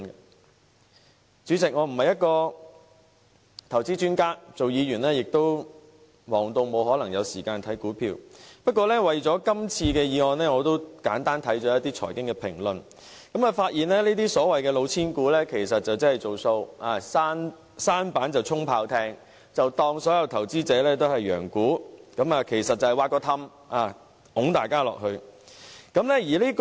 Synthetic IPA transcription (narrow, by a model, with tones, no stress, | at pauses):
t͡syː˨˥t͡sɪ˨k̚ŋɔː˨˧m̩˨˩hɐ˨jɐ˥t̚kɔː˧ | t̪ʰɐ˨˩wt͡siː˥t͡ʃyː˥nkaː˥t͡so˨wjiː˨˧jyː˨˩nlɛː˥jɪ˨k̚t̪o˥w | wɔː˨˩ŋt̪o˨˧wmo˨˧wɦɔː˨˥lɐ˨˩ŋjɐ˨˧wsiː˨˩kaː˧nt̪ʰɐ˨˥jkuː˨˥pʰḭː˧wpɐ˥t̚kɔː˧lɛː˥wɐ˨jt͡sɔː˨˥kɐ˥mt͡sʰiː˧kɛː˧jiː˨˧ŋɔː˨˧nlɛː˥ŋɔː˨˧t̪o˥wkaː˨˥nt̪aː˥nt̪ʰɐ˨˥jt͡ʃɔː˨˥jɐ˥t̪iː˥t͡sʰɔ̰˨˩jkɪ˥ŋkɛː˧pʰɪ˨˩ŋlɵ˨n | kɐ˨˥maː˨˧faː˧t̚jiː˨˩nlɛː˥liː˥t̪iː˥sɔː˨˥wɐ˨jkɛː˧lo˨˧wt͡sʰiː˥nkuː˨˥lɛː˥kʰe˨˩jsɐ˨t̚t͡sɐ˨wt͡sɐ˥hɐ˨˩jt͡so˨˩wso˧waː˨saː˥n | saː˥npaː˨˥nt͡sɐ˨wt͡sʰʊ˥ŋpʰaː˧wt̪ʰɛː˧ŋ | t͡sɐ˨wt̪ɔː˧ŋsɔː˨˥jɐ˧wt̪ʰɐ˨˩wt͡siː˥t͡sɛː˨˥lɛː˥t̪o˥whɐ˨jːœ̰ː˨˩ŋkuː˨˥kɐ˨˥maː˨˧kʰe˨˩jsɐ˨t̚ːɐ˨˩hɐ˨jwaː˧t̚kːɔː˧t̪ʰɐ˧m | ʔaː˨˧ | ʊ˨˥ŋt̪aː˨jkaː˥lɔ̰ː˨k̚ɦɵ˧ɥ | kɐ˨˥mlɛː˥jiː˨˩liː˥k